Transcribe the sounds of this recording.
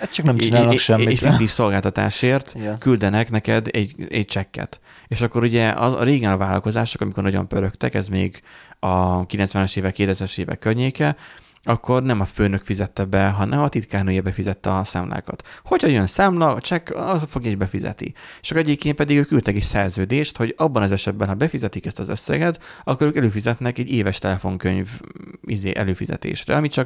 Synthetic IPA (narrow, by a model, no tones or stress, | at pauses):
t͡ʃɒknɛmt͡ʃinaːlnʃɛmːifikt̪iːfso̞lɡaːlt̪ɒt̪a̰ːʃeːrt̪kyld̪ɛnɛknɛkɛd̪ɛɟɛ̰ɟ̚t͡ʃɛkːɛ̰t̪ | eːʃɒkːo̞ɾuɟɛɒ̰zɒ̰ɾeːɡɛnɒvaːlɒ̰lko̞zaːʃokɒmiko̞rnɟo̰mpøɾøkt̪ɛ̰kɛzmḛːɡɒkilɛnt̪sʋɛnɛʃeːvɛkːeːt̪ɛsɛʃeːvɛ̰kːørɲeːkɛ | ɒkːo̞rnɛmɒføːnøkfizɛt̪ːɛbɛɦɒnʔɛmɒt̪it̪kaːnoːjɛbɛfizɛt̪ːɛɒsa̰ːmla̰ːkɒ̰t̪ho̞chɒjønsaːmlɒt͡ʃɛk̪fo̞ɡjɒeʒbɛfizɛ̰t̪ḭt͡ʃɒkɛɟeːkeːpɛd̪iɡøːkylt̪ɛkeːʃsɛrzøːd̪eːʃt̪ho̞ɟɒbːɒnɒzɛʃɛd̪̚bɛnɦɒbɛfizɛt̪ikɛst̪ɒzøsːɛ̰ɡɛt̪ɒkːo̞ɾøːkɛløːfizɛt̪nɛkɛɟːeːvɛʃt̪ɛlɛfo̞ŋkøɲvizḛːʔɛløːfizɛ̰t̪ḛːʃrɛ̰ɒmit͡ʃɒk